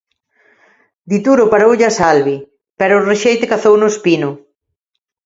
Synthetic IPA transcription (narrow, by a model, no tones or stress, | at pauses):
d̪it̪uɾʊpaɾowʎasalβi | pɛɾʊːreʃejt̪ekaθownʊspinʊ